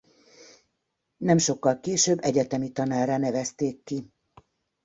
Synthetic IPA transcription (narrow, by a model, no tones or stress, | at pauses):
nɛmʃo̞kːɒlkeːʃøːbːɛɟɛt̪ɛmit̪ɒnaːrːanɛvɛst̪eːkːi